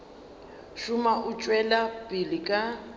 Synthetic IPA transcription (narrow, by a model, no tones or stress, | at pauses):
ʃʊmaʔʊt͡ʃʼwɛlapʼilikʼa